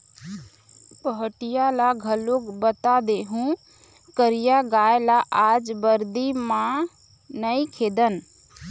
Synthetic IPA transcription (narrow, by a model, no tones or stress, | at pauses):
pəɦəʈijalaɡʱəlokbət̪ad̪eɦũ | kəɾijaɡaːjlaʔaːd͡ʒbəɾd̪imã | nəikʰeːd̪ən